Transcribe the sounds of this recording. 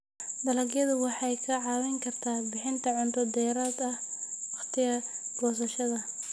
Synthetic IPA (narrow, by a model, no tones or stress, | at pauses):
d̪ɐlɐɡjɐðʊwɑħɑjkʰɐʕɑːwɛŋkʰɐrt̪ʰaːbɪħɪnt̪ʰɐʕʊnt̪ʰɔd̪ɛjɾaːd̪ɐh | wɑχt̪ʰɪjɐ | ɡɔːs̬ɐʃɐðɐ